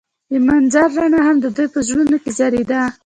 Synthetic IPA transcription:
jəmanzaɾːaɳahamd̪əd̪əjpəʒɽunokezaɾed̪a

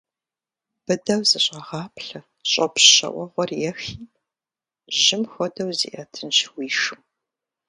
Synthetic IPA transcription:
b̥ɨdɐwzɨɕʼɐʁɑːpʰɬɐ | ɕʼɐpɕɕɐ̰ʔʷɔʁʷɔrjɛxiː | ʒɪmxʷɔdɐwzḭʔɐtʰɨnɕwiːʂɨm

